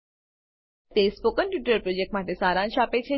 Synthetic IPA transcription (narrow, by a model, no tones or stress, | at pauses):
t̪espokənʈjuʈəɾpɾod͡ʒek̚ʈmaʈesaɾãnʃapet͡ʃʰe